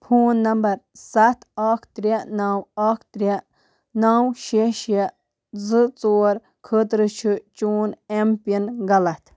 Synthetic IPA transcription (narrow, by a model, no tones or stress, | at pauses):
pʰuːnːɐmbɐɾsɐt̪ʰaːkʰt̪ɾʲenaːwakʰt̪ɾʲe | nawʃeʃe | zɨt͡soːɾ | kʰət̪ɾɨt͡ʃʰɨt͡ʃuːnempiinɡɐlɐt̪ʰ